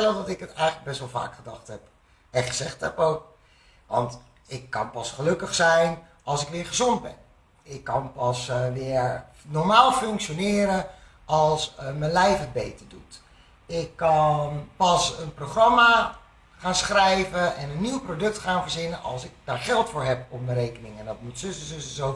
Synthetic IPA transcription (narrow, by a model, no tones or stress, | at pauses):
ɛlədɑtɪkətɛjχənləɡ̚bɛstʋɛlˠva̰ːkχədɑχtɦɛp | ɛχəzɛχtɦɛ̰powk̚ | ʋɑ̰nt | ɪkːɑ̰npɑsχəlɵkəχsɛjn | ɑlˠsɪkʋɪːɹχəzond̚bɛ̰n | ɪkːɑnpɑsʋɪːɹ | nɔɹmaːlˠfɵŋkʃonɪːɾə | ɑlˠsmənlɛjfət̚bejtəɹdut | ɪkːɑnpɑsənprowχrɑma | χaːnsχrɛjvəʔɛnənːiwprodɵk̚tχaːnvəɹzɪnəʔɑ̰lˠsɪk̚d̥aːɹχɛlˠtfʊːɹɦɛp̚ɔmməɾejkənɪŋɛndɑt̚mutsɵsənsɵsəzow